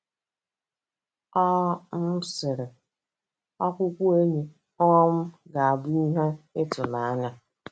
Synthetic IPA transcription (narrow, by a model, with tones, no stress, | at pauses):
ɔ˦m̩˦sɪ˨ɾɪ˨ | ɔ˦kʷʊ˦kʷu˦e˦ɲe˨ | ɔ˦ɔ˦m̩˦ɡa˨a˨bʊ˦i˦ɦe˦ɪ˦tʊ˨na˨a˦ɲa˦